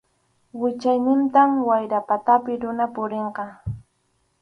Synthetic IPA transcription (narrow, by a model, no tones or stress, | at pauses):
wɪt͡ʃajnɪnt̪amwajɾapat̪apɪɾʊnapʊɾeɴqɑ